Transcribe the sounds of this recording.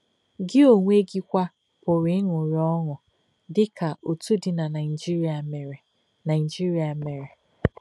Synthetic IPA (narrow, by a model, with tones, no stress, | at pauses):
ɡɪ˦o˨ŋʷ˦e˦ɡi˦kʷa˦ | pʊ˨ɾɪ˦ɪ˦ŋʊ˨ɾɔ˦ŋʊ˨ | dɪ˦ka˨ʔo˨tu˦dɪ˨na˨na˨ɪ˨d͡ʒi˦ɾi˦a˨me˨ɾe˨ | na˨ɪ˨d͡ʒi˦ɾi˨a˨me˨ɾe˨